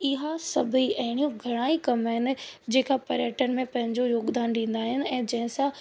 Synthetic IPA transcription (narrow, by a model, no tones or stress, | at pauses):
ɪɦasɐbʱiɐɦɪɽ̃ijõɡʱɐɽ̃aːikɐmɦɪnɪ̆d͡ʑeːkapɐɾjəʈənɪ̆mẽpɐ̃ɦɪ̃ɲd͡ʑojoːɡd̪aːnɗĩːnd̪aːɦɪnɪ̆ɛ̃ːd͡ʑɐ̃ɦɪ̃sã